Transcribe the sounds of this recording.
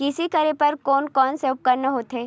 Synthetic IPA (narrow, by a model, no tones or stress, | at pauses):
kɪsikɐɾepɐɾkɔːnkɔːnseʊp̚kɐɾnɐɦoːt̪eː